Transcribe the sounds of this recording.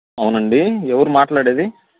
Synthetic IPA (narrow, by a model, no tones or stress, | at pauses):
ɐʋunɐɳɖiɛʋɐɾumaːʈlaːɽeːd̪i